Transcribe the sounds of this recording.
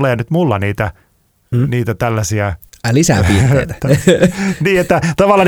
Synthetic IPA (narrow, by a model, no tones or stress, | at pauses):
leːnyt̪mulːɑniːt̪æ | niːt̪æt̪ælːæsiælisæ̰pḭːḛt̪æ̥t̪ː | niːet̪ːæt̪ɑʋɑlːɑn